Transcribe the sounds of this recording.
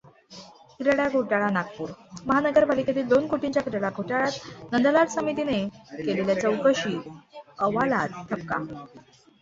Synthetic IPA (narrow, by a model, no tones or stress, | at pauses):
kiɾəɭjaɡʱoʈaɭanakpuːɾməɦanəɡəɾpaliket̪̬iːld̪onkoʈiɲt͡ɕjakiɾəɭaɡʱoʈaɭat̪nənd̪laʈsəmit̪inekeleljat͡səwkəɕiːəʋala̰t̪ːʰəp̚ka̰